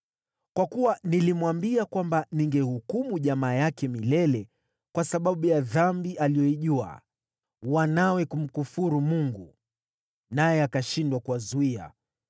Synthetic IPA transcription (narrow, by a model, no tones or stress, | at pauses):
kwakuwanilimwambiakwambaniŋɡɛhukumuʄamaːjakɛmilɛlɛ | kwasaɓaɓujaðambiʔalijɔiʄua̰ | wanawɛkum̩kufuɾumuŋɡu | najɛakaʃindwakuwazuia̰